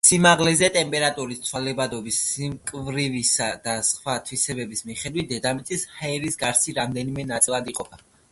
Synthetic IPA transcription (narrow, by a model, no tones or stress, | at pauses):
simaʁlɛzɛt̪ʼɛmpʼɛɾat̪ʼuɾist̪sʰwalɛbad̪ɔbisːimkʼvɾivisad̪asχwat̪ʰwisɛbɛbismiχɛd̪wit̪̚d̪ɛd̪amit̪sʼishaɛɾisɡaɾsiɾamd̪ɛnimɛnat̪sʼilˠad̪iqʼɔpʰa